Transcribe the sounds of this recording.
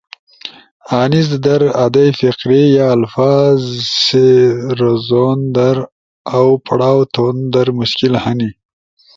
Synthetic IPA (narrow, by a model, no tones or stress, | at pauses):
aːnizd̪aɾad̪ajfɪqɾijaːlfɑːzseɾozond̪aɾ | awpʰaɽaːwt̪ond̪aɾmʊʃkɪlhani